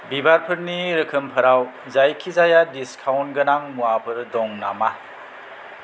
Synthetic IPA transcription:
bibaɾpʰɯɾniɾɯkʰɯmpʰɐɾaw | zajkʰizajadiskʰawnɡɐnaŋmuapʰɯɾdɔŋna̰ma

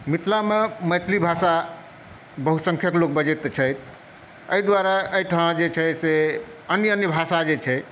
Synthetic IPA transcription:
mit̪ʰlameməjt̪ʰlibʱasa | bəɦusə̃ŋkʰjəklok̚bəd͡ʒet̪t͡ʃʰəjt̪ʰ | əid̪waɾaəiʈʰãd͡ʒet͡ʃʰɛse | ənjəənjəbʱasad͡ʒet͡ʃʰɛ

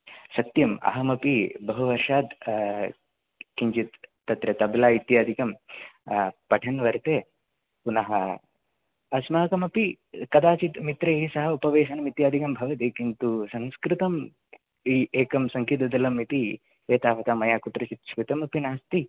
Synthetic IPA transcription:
sɐt̪jɐmɐ̰ɦɐmɐpibɐɦuʋɐɾʂaːd̪ | kiɲt͡ʃit̪ː | ɐt̪ɾɐt̪ɐblaːit̪jaːd̪ʱikɐm | pɐʈʰɐnʋɐɾt̪eː | punɐɦɐ̰ | ɐsmɐɦɐkɐmɐpi | kɐd̪aːt͡ʃit̪mit̪ɾɐɦisɐɦɐupɐʋeːʃɐnɐmit̪jaːd̪ʱikɐmbʱɐʋɐt̪ikint̪usɐ̃nskɾɪt̪ɐm | ieːkɐmsɐŋkit̪ɐd̪ɐlɐmit̪i | eːt̪aːʋɐt̪aːmɐjaːkut̪ɾɐt͡ʃit̪ʃʋit̪ɐmɐpinaːst̪i

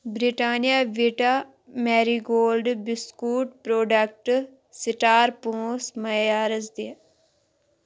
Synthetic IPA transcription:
bɾiʈaːnijaːʋiʈaː | mɛːɾiːɡoːlɖbɪskuːʈpɾoːɖək̚ʈ | sɪʈaːɾpõːsmɐjaːɾəzd̪i

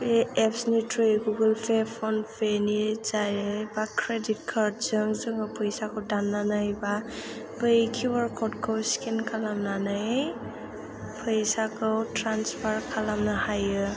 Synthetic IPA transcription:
eepsnitɾejɡuɡɯlpʰepʰɔnpʰenizajebakʰɾedit̚kʰaɾd̚zɯŋzɯŋɯpʰɯjsakʰɯwdanːanɯjbabɯjkʰuwaɾkʰɔtkʰɯwskinkʰalamnanɯj | pʰɯjsakʰɯwtɾanspʰaɾkʰalamnahajɯ

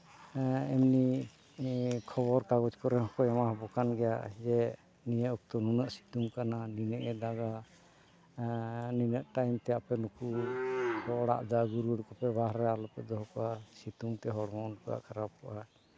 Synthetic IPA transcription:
ɛmni | kʰɔβɔɾkaɡɔt͡ʃkɔɾɛɦɔkɔamaɦbɔkanɡɛja̰ʔd͡ʒɛ | nijəʔɔk̚t̪ɔnunaʔsi̥t̪umkananinɛʔɛd̪aɡa | ninəʔʈajmt̪ɛapɛnuku | tɔɽa̰ʔd̪aɡuɾuɽkɔpɛbaɦɾɛalɔpɛd̪ɔɦɔkɔasit̪umt̪ɛɦɔɽmankɔja̰ʔkʰaɾap̚kɔʔa

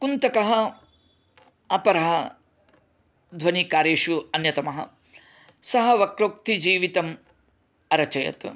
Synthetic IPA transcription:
kunt̪ɐkɐɦɐ | ɐpɐɾɐɦɐ | d̪ʱʋɐnikaːɾeːʂuɐnjɐt̪ɐmɐɦɐ̰ | sɐɦɐʋɐkɾoːk̚t̪id͡ʒiːʋit̪ɐm | ɐɾɐt͡ʃɐjɐ̰t̪

